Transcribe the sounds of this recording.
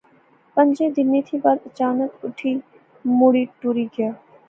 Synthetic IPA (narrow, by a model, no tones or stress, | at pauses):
pɐ̃ɲd͡ʒed̪ɪnːit̪ʰibaɾɐt͡ʃaːnəkʊʈʰi | muːɽiːʈuːɾiɡɐjaː